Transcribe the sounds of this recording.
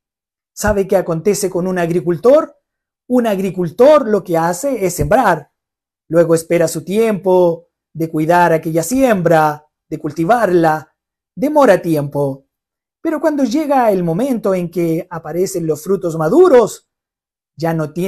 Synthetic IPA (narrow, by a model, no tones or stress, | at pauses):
saβekeako̞nt̪e̞se̞ko̞nunaɣɾikult̪o̞ɾ | unaɣɾikult̪o̞ɾlo̞keaseesːe̞mbɾaɾ | lwe̞ɣoespeɾasut̪je̞mpo | ðe̞kwiðaɾakeʎasjembɾa | ðekult̪iβaɾla | d̪emo̞ɾat̪je̞mpo | peɾo̞kwand̪o̞ʝeɣaelmo̞mẽ̞nt̪o̞eŋkeapaɾese̞nlosfɾut̪o̞zmaðuɾos | ʒano̞t̪je